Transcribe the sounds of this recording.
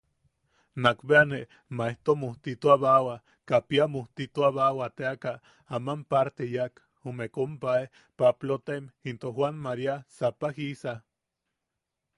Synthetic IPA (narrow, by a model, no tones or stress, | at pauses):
nakbeane | maeht̪omoht̪it̪uaβawa | kapiamoht̪it̪uaβawat̪eaka | amampaɾt̪ejak | umekompae | paplot̪emint̪ohwanmaɾiasapahisa